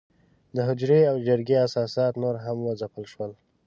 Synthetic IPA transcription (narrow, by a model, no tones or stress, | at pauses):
d̪əɦʊd͡ʒɾeawd͡ʒəɾɡeasɑsɑt̪noɾɦamwəzapəlʃwəl